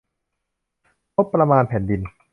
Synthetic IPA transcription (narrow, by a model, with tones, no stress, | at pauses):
mo˦˥pːɾa˧maː˧npʰɛː˩˦ndi˧n